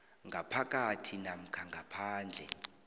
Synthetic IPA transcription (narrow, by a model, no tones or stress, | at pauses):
ŋɡʱapʰakʼatʰinam̩kʰaŋɡʱapʰaːnd͡ɮʱɛ̰